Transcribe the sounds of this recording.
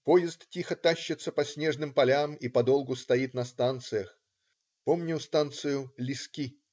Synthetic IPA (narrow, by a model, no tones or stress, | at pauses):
po̞jɪst̪tʲixət̪aɕːɪt̪səpɐsʲnʲe̞ʐnɨmpɐlʲamipɐd̪o̞lˠɡʊst̪ɐit̪nɐst̪ant̪sɨjəx | po̞mnʲɪst̪ant̪sɨjʊlʲɪskʲi